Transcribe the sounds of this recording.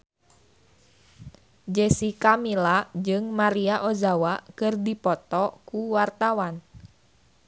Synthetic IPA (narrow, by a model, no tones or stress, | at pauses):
d͡ʒɛsikamilad͡ʒɨŋmaɾiaʔozawakɨrdipɔt̪ɔkuwart̪awan